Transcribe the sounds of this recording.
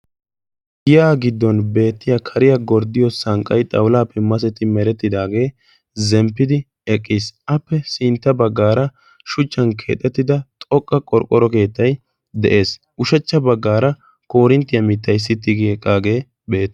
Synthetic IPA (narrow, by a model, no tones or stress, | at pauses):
ɡɪjaːɡɪd̪ːɔnbe̞ːt̪ːɪjakʰɐɾɪjɐɡɔɾd̪ɪjɔsɐŋkʼːɐjt̪ʼɐwlaːpʰːɛmɐs̬ɛt̪ɪmɛɾɛt̪ːɪd̪aːɡe̞ː | zɛmpːɪd̪ɪ | ɛkʼːisʔɐpːɛsɪnt̪ːɐbɐɡːaːɾɐ | ʃʊt͡ʃːɐnkʰe̞̰ːt̪ʼːɛt̪ːɪd̪ɐt̪ʼɔkʼːɐkʼɔɾkʼːɔɾɔke̞ːt̪ːɐj | d̪ɛʔe̞ːs | ʔʊʃɛt͡ʃːɐbɐɡːaːɾɐ | ko̞ːɾɪnt̪ːɪjɐmɪt̪ːɐjs̬ːɪt̪ːɪɡɪɛkʼːaːɡe̞ː | be̞ːt̪ː